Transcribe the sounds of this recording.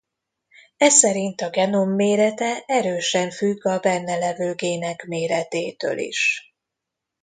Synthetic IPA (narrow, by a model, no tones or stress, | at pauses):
ɛsɛɾint̪ɒɡɛno̞mːeːɾɛt̪ɛɛɾøːʃɛɱfyɡːɒbɛnːɛlɛvøːɡeːnɛkmeːɾɛt̪eːt̪ø̰ːlḭʃ